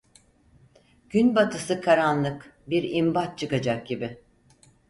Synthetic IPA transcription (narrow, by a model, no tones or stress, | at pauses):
ɟ̥ynbat̪ʰɯsɯkʰaɾanlˠɯkbiɾimbat̪̚t͡ʃʰɯkad͡ʒak̚ɟibɪ